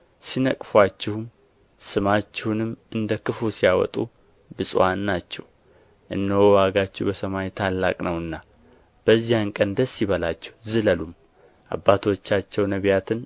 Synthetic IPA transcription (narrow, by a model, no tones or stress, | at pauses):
sinəkʼfwat͡ʃːɛhum | sɨmat͡ʃːɛhunɨmʔɨnd̪əkɨfusijawɔ̰t̪ʼu | bɨsʼwanːat͡ʃːɛ̰w | ʔɨnːəwɔwaɡat͡ʃːɛwbəsəmajt̪ʰalːakʼnəwɨnːa | b̥əzːijankʼənd̪əsːiβəlat͡ʃːɛ̥hzɨləlum | ʔa̰bːat̪ʰo̞t͡ʃːat͡ʃːɛwnəβjat̪ʰɨn